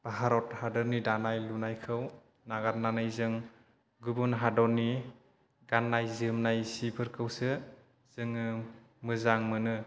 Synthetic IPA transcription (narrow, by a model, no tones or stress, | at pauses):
b̥aɦaɾɔthadɯɾnidanajlunajkʰɯw | naɡat̚nanajzɯŋ | ɡubunɦadɔnːi | ɡanːajzɯmnajsipʰɯɾkʰɯwsɯ | z̥ɯŋɯ | mɯzaŋmɯnɯ